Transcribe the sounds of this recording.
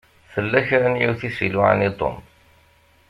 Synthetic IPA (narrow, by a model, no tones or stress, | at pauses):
θəlːæçɾanjuθisiluʕa̰nit̪ˤo̰m